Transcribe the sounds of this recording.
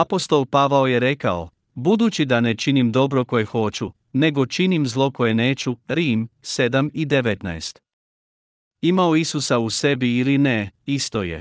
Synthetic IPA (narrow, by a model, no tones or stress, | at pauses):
apo̞st̪o̞lˠpaʋaoje̞ɾe̞kao̰ | bud̪ut͡ɕid̪anet͡ʃinimd̪o̞bɾo̞ko̞jexo̞t͡ɕu | ne̞ɡo̞t͡ʃinimzlˠo̞ko̞je̞neːt͡ɕuɾiːmse̞d̪amid̪eʋet̪na̰est̪ | imaoisusause̞biːlineist̪ojḛ